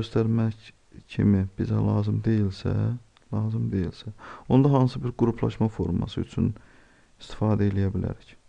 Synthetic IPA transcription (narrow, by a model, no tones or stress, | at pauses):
øst̪æɾmæc | cʰḭmib̥izælˠɑːzɯmd̪e̞jilsæ̰ | lˠɑːzɯmd̪e̞jilsæond̪ɑɦɑnsɯbiɾɡuɾupʰlˠɑ̰ʃmɑfo̞̰ɾmɑ̰sɯyt͡ʃʰyn | ist̪ʰi̥fɑːd̪æelijæbilæ̰ɾic